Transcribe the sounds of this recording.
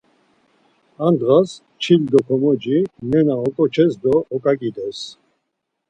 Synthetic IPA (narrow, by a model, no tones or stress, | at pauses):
and̪ʁas | t͡ʃʰild̪ɔkʰɔmɔd͡ʒinɛnaɔkʼɔt͡ʃʰɛsd̪ɔːkʼakʼid̪ɛs